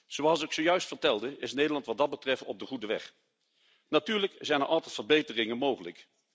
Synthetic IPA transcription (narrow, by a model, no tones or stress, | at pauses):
z̥owɑlˠsɪksojœɥstfəɹtɛlˠdəʔɪsnejdəlɑntʋɑdɑd̚bətrɛftɔb̚dəχudəʋɛ̰χ | natyːɹləkzɛjnəɹʔɑlˠtɛjtfəɹbejtərɪŋənmowχələk